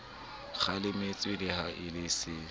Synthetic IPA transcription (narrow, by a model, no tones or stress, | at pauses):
χalɪmɪt͡sʼwɪlɪhaʔɪlɪsɪ